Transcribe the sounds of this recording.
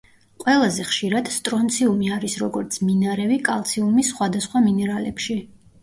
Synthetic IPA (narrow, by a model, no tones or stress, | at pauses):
qʼwɛlˠazɛχʃiɾad̪̥st̪ʼɾɔnt̪sʰiumiaɾisɾɔɡɔɾt̪sʰminaɾɛvikʼalˠt̪sʰiumisχwad̪asχwaminɛɾalɛpʃi